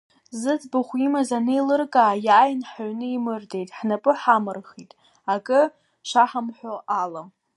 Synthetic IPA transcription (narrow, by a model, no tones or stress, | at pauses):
zɨt͡sʼbaχʷimazanɨilɨrkʼaːjaːjnħaɥnɨimɨrde̞jtʼħnapʼɨħamɨrχitʼ | akʼɨ | ʃʷaħamħʷoʔalam